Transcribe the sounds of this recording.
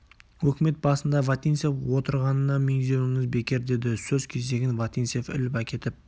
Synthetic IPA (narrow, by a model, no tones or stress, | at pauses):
wɵkʲɪme̞t̪̚bɑsənd̪ɑvat̪ʲinsefwo̞t̪əɾʁɑnənɑmeŋd̪ewmɪzbe̞kʲe̞ɾd̪e̞d̪ɪsɵzkʲʰe̞zd̪e̞ɡʲɪnvat̪ʲinsefɪ̰lɪpækʲe̞t̪ɪp̚